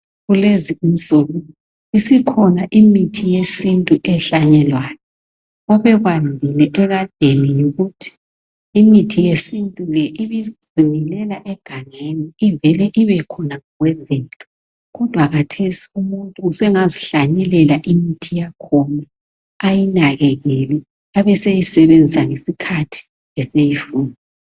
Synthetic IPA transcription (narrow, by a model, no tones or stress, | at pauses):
ɣuleziinsʼuɣu | isikʰɔnaʔimitʰijesintʼuʔɛɬaɲɛlwaːjɔ | ɔβɛβwandʱilɛʔɛβand̥ʱenijuɣutʰi̥ | imitʰijesintʼuɣɛʔiβizimilɛlaʔɛɡ̥ʱaŋeniivɛlɛʔiβɛkʰɔnaŋɔɣwɛvɛːlɔ | ɣɔd̥ʱwakʰatʰesi̥umuntʼuːsɛŋaziɬaɲɛlɛlaʔimitʰijakʰɔna | ajinaɣɛɣɛlɛ | aβɛsejisɛβend͡zʱisaŋesikʰatʰi̥ | ɛsejifuːni